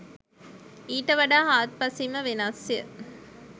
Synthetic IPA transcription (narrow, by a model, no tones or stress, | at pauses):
iːʈəʋɐɖaːɦaːt̪̚pɐsiməʋenasjə̰